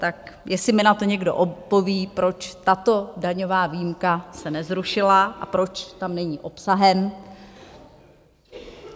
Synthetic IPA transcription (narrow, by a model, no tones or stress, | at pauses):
t̪akjɛsɪmɪnat̪o̞ɲɛɡdoʔopːo̞viːpɾo̞t͡ʃt̪at̪o̞daɲo̞vaːvijmkasɛnɛzɾuʃɪlaʔapɾo̞t͡ʃt̪amnɛɲiːʔo̞psaɦɛm